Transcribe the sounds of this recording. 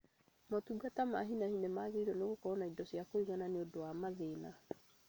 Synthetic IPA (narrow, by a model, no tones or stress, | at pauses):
motuɡatama̰ɦinainɛmaɣeiɾwɔneɣokɔɾɔnaidɔsijakoiɣananeodowamaðeːna